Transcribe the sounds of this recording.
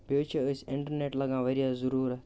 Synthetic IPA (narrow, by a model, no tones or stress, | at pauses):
bet͡ʃəəsɪɳʈəɾneːʈləɡãːʋəɾijaːzəɾuːɾɛ